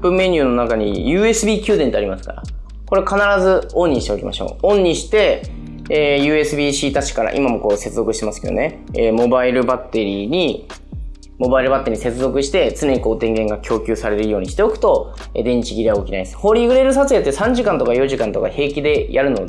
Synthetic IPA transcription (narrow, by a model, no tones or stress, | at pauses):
pɯ̟mːe̞ɲʲɯːno̞nakaɲ̟ijɯ̟ːe̞sɨbʲiːkʲɨːd̪ent̪e̞aɾʲimasɨ̥ka̰ɾa̰ | ko̞ɾe̞kanaɾazɨõɲ̟ːiɕi̥t̪eo̞kʲḭmʔa̰ɕo̞̰ːõ̞ɲɲːiɕi̥t̪e̞ | eːjɯ̟ːe̞sɨbʲiːɕiːt̪at͡ɕi̥kaɾa̰ʔḭmamo̞ko̞ːse̞t͡sɨzo̞kɯ̟ɕi̥t̪e̞masɨ̥ke̞d̪one̞ː | mo̞baiɾɯ̟bat̪ːe̞ɾʲiɲ̟i | mo̞baiɾɯ̟bat̪ːe̞ɾʲiɲise̞t͡sɨzo̞kɯ̟ɕi̥t̪e̞t͡sɨne̞ɲ̟iko̞ːt̪ẽ̞ŋɡẽ̞ŋɡakʲʰo̞ːkʲɨ̟ːsaɾe̞ɾeɾɯjo̞ːɲ̟iɕi̥t̪e̞okɯ̟̥t̪o̞ | ed̪ẽ̞ɲt͡ɕiɡʲiɾʲiaɡokʲina̰isɨ̥ho̞ːɾʲiːɡɯ̟ɾe̞ɾɯ̟s̬at͡sɨet̪ːesãɲ̟d͡ʑikãnt̪o̞kajo̞ʑikãnt̪o̞kahe̞ːkʲid̪e̞jʔaɾɯ̟no̞d̪